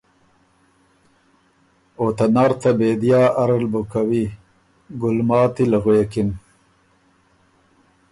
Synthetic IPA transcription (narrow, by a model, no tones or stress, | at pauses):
ot̪anaːɾt̪abeːd̪jɑːʔaɾalbukawi | ɡʊlmɑːt̪ilaɣujekin